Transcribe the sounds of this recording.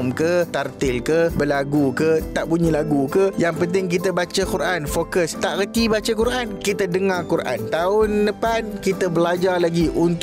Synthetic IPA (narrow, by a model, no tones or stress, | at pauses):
mkət̪art̪ɪlkəbəlaɡukət̪aʔbuɲə̃laɡukəjaŋpənt̪ɪŋkit̪̬əbat͡ʃəkuɾʔanfokəst̪aʔɾət̪ibat͡ʃakuɾʔankit̪ədəŋarkuɾʔa̰nt̪aʊndəpankit̪əbəlad͡ʒalaɡiʔunt̪